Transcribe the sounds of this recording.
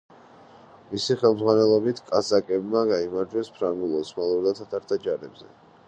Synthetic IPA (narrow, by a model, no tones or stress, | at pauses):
misiχɛlˠmd̪zʁwanɛlˠɔbit̪ʰkʼasakʼɛbmaɡaimaɾd͡ʒwɛspʰɾaŋɡulˠɔsmalˠuɾd̪at̪ʰat̪ʰaɾt̪ʰad͡ʒaɾɛbzɛ̰